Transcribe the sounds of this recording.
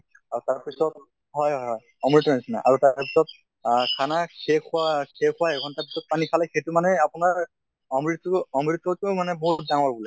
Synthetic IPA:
aɹutaɹpisɔt | ɦɔjɦɔjɔj | ɔmɹitɔnisina̰ʔaɹutapisɔt̚ | kʰanakʰekuakʰekʰʊwaɛkʰɔntaɹpi̥sɔt̚panikʰalɛxetumanɛapunaɹ | ɔmɹitɔmɹitːɔtʊmanɛbɔɦut̚daŋɔɹbulɛ

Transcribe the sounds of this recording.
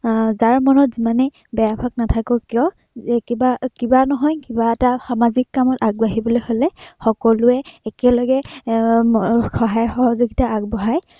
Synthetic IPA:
zaɹmɔnɔtzimanɛ | bɛjabʱaɡnatʰakɔkijɔ | kibakibanɔɦɔjkibaɛtaxamazikːamɔtaɡ̚baɦibɔlojholɛxɔkɔlʊɛːkɛlɔɡɛ | xɔɦajɔxɔɦɔzoɡitaːɡ̚bɔɦaj

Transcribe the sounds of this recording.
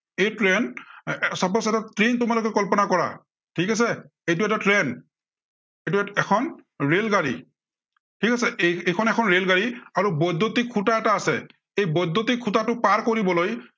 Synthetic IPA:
ejtɹɛn | sapɔsɛtatɹintʊmalok̬ɛkɔlpɔnakɔɹa̰ | tʰikas̬ɛ | ejt̬ʊɛtatɹɛn | ejt̬uɛɛkʰɔnɹelɡaɹḭ | tʰikasɛeejkʰɔnɛkʰɔnɹelɡaɹiaɹubɔjdʱːotikʰːutaɛtaːsɛ̰ | ejbɔjdʱːotikʰutatʊpaɹkoɹibɔloj

